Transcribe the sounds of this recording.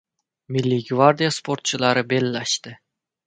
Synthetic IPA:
mʲilʲːiɡvard̪ʲijasport̪t͡ɕəlˠɑɾəbelʲːɑʃt̪ɘ

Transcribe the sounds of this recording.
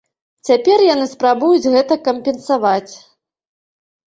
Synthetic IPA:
t͡sʲapʲɛrjanɨspɾabujud͡zʲɣɛt̪ɐkɐmpʲɛnsavat͡sʲ

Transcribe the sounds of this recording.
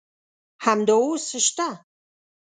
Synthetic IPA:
ħamdɐwsɨʃtʰa

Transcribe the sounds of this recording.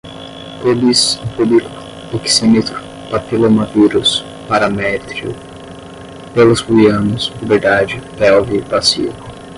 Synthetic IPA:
t̪odispubikɐ | eksemit̪ɾʊ | pat̪elomaviɾʊs | paɾamɛt̪ɾiʊ̰ | pelʊshujɐ̃nʊsubeɾd̪ad͡ʒɪpɛwvipasḭkʊ

